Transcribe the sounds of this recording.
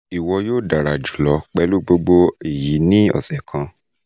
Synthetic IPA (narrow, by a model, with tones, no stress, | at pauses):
i˨wɔ˧joː˦˨da˨ɾa˨d͡ʒu˨lɔ˧˦k͡pɛ˨˦lu˦ɡ͡bo˧ɡ͡bo˧i˨ji˨˦nĩ˦ɔ̰˦˨sɛ˨kʰã˧